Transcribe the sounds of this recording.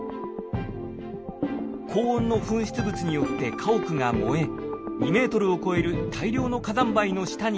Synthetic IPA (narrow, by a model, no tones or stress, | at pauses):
kʰo̞ːõnːo̞ɸɯ̟̃ɰ̃ɕi̥t͡sɨbɯ̟t͡sɨɲ̟ijo̞tt̪e̞kʰaokɯ̟ŋamo̞e̞ɲʲime̞ːt̪o̞ɾɯ̟o̞ko̞e̞ɾɯ̟t̪ʰaiɾʲo̞ːno̞kazãmbaino̞ɕi̥t̪aɲ̟